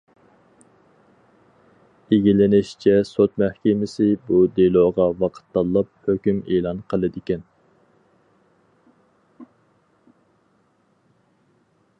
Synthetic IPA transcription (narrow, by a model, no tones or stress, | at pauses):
eɡʲilɪnɪʃt͡ʃʰɛsot̪mæhkʲɪmɪsɪbud̪elˠoːʁɑwɑqʰə̥t̪ːɑlˠːɑp̚høkʲymeːlˠɑnqʰəlˠɨd̪ɪkʲɛn